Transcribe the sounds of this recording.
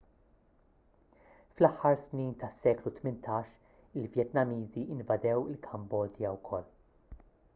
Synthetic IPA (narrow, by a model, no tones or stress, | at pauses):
flɐħːɐɾsniːnt̪ɐsːɛːklut̪mɪnt̪ʰɐːʃ | ɪlvjɛt̪nɐmiːziʔɪnvɐd̪ɛwɪlkʰɐmbɔːd̪jɐwkʰɔlː